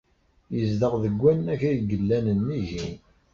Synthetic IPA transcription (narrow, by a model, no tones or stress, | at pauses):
jəzd̪əʁðəɡʷːænːæçæjɡəlːænənːiʝin